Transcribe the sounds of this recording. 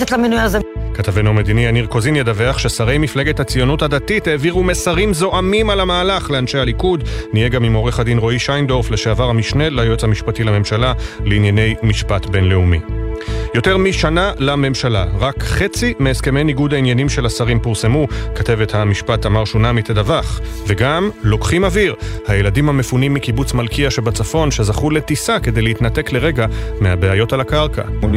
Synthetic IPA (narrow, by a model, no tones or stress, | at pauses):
etlamenujazekat̪avenuamed̪inianiʁko̞zinjedave̞aχʃesaʁe̞jmifleɡethat͡sijo̞nuthadatithe̞ːviʁumesaʁimzo̞ʔamimalamaːlaχle̞anʃe̞jhalikudnije̞ɡamimo̞ʁeχadinʁo̞iʃajnd̪o̞ʁfleʃeavaʁhamiʃne̞lajot͡shamiʃpatilame̞mʃalaleinjane̞jmiʃpatbe̞nle̞umijo̞te̞ʁmiʃanalame̞mʃalaʁakχe̞t͡simeːske̞me̞jniɡudainjanimʃe̞lasaʁimpuʁse̞mukate̞vethamiʃpathamaʁʃonamitled̪avaχve̞ɡamlo̞kχimaviʁhajeladimhame̞funimːikibut͡smalkiaʃe̞bat͡safo̞nʃe̞zaχule̞tisake̞d̪e̞jleit̪nate̞kle̞ʁe̞ɡameabeajo̞talakaʁka̰